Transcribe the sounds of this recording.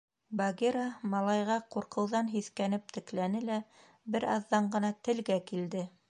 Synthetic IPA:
baɡeɾɑmɑlˠɑjʁɑquɾqɤ̆wðɑnɦiθkænɘp̚t̪ɘ̆klænɘlæ | bɘɾɑðːɑɴɢɤ̆nɑt̪ɘ̆lɡækild̪ɘ

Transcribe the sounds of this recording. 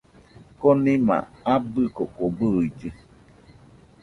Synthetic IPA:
konĩma̰abɨkoʔkobɨid͡ʒɨ

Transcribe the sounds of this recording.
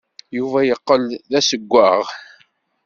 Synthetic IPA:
juvæjəqːəlðæsəɡʷːæʁ

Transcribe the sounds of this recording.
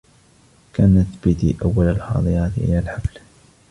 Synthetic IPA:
kaːnaθbɪt̪ḭʔawːalalħɑ̰ːd̪ˤɨjaːt̪ʔɪ̰lalħafl

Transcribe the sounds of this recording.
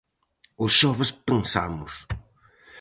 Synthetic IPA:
ʊsʃɔvɐspẽnsa̰mʊs

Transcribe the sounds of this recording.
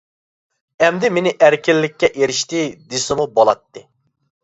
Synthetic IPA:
ɛmd̪ɪmenɪʔæɾkʲilːɪkʲːɛʔeɾɪʃt̪ɪd̪esɪmubolˠɑt̪ːɨ

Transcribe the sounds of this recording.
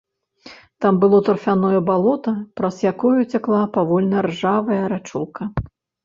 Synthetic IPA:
t̪ambɨlˠɔt̪ɐrfʲanɔjɐbalˠɔt̪ɐpɾɐzjakɔjut͡sʲaklˠapavɔlʲnɐrʐavɐjɐɾat͡ʂṵlˠkɐ

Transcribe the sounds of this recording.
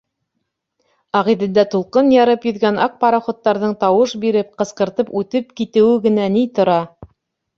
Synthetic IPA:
ɑʁiðɘ̆nd̪æt̪ulˠqɤnjɑɾɤpjɵ̆ðɡænʔɑq̚pɑɾɑχŏt̪ːɑɾðɤɴt̪ɑwɤʃbiɾɘp̚qɤ̆sqɤ̆ɾt̪ɤpʉt̪ɘp̚kit̪ɘ̆wɘɡɘ̆nænit̪ŏɾɑ

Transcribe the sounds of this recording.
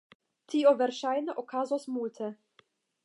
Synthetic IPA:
t̪ʰiːovɛɾʃajnəʔɔkʰazɔsmuːlt̪ʰə

